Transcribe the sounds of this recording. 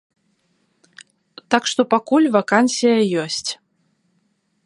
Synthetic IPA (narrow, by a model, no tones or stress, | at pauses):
t̪akʂt̪ɔpakulʲvakansʲijɐjɔsʲt͡sʲ